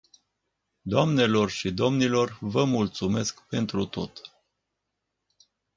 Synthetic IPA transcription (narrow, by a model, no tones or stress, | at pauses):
d̪oamne̞lo̞rʃid̪o̞mnilo̞rvəmult̪sume̞skpe̞nt̪ɾut̪o̞̰t̪